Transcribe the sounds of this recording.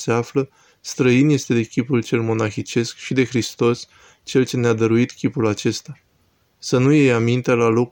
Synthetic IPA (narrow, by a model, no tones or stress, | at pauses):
se̞aflə | st̪ɾəinje̞st̪e̞d̪e̞kʲipult͡ʃe̞lmo̞naxit͡ʃe̞skʃid̪e̞xɾist̪o̞s | t͡ʃe̞lt͡ʃe̞nead̪əɾuit̪kʲipulat͡ʃe̞st̪a | sənuje̞jamint̪e̞lalo̞k